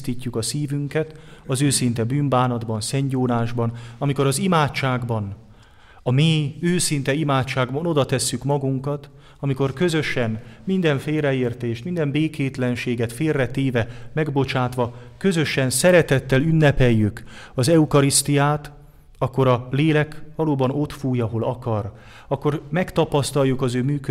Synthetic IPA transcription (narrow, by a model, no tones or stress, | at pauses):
t̪iːcːukɒsiːvyŋkɛt̪ɒzøːsint̪ɛbyːmbaːnɒd̪bɒnsɛɲɟoːnaːʒbɒnɒmiko̞ɾɒzimaːtt͡ʃːaːɡbɒn | ɒmeːøːsint̪ɛimaːtt͡ʃːaːɡbɒno̞d̪ɒt̪ɛsːykmɒɡuŋkɒt̪ | ɒmiko̞rkø̞zø̞ʃɛnmind̪ɛɱfeːlrɛeːrt̪eːʃt̪mind̪ɛmbeːkeːt̪lɛnʃeːɡɛt̪feːrːɛt̪eːvɛmɛɡbo̞t͡ʃaːt̪ʋɒ | kø̞zø̞ʃɛnsɛɾɛt̪ɛt̪ːɛlynːɛpɛjːyk | ɒzɛukɒɾist̪ijaːt̪ | ɒkːo̞ɾɒleːlɛkʋɒloːbɒno̞t̪fuːjɒɦo̞lɒkɒr | ɒkːo̞rmɛkt̪ɒpɒst̪ɒjːukɒzøːmyːkø